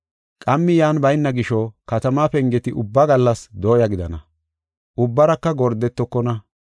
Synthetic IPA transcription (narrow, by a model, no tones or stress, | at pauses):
kʼɐmːɪjaːnbɐjnːɐɡɪʃɔkɐt̪ɐmaːpɛŋɡɛt̪ɪʔʊbːɐɡɐlːɐsd̪oːjɐɡɪd̪ɐnɐ̰ | ʔʊbːɐɾɐkːɐɡɔɾd̪ɛt̪ːɔkːɔnɐ